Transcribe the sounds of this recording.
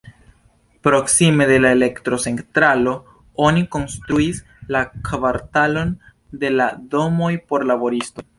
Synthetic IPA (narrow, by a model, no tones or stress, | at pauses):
pɾo̞ksime̞de̞laele̞ktɾo̞se̞ntɾalo̞ | oniko̞nstɾuis | lakvaɾtalo̞n | de̞lado̞mo̞jpo̞ɾlabo̞ɾisto̞